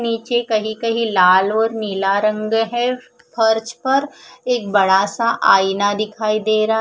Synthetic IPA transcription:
niːt͡ʃekɐɦikɐɦĩlaːlɔːɾniːlaɾə̃ŋɡɦɛ | pʰɐɾt͡ʃpɐɾeːk̚bɐɽaːsaʔaːinad̪ɪkʰaːid̪eːɾa

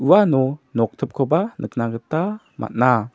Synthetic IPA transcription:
uanɔnɔk̚t̪ʰəp̚kʰɔbanʔək̚naɡət̪a | mʔa̰t̪̚na

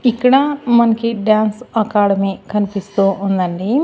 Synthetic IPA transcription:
ikːɐɽaːmɐnɐkiɖaːnsɐkaːɽɐmiːkɐnipist̪uːnd̪ɐɳɖi

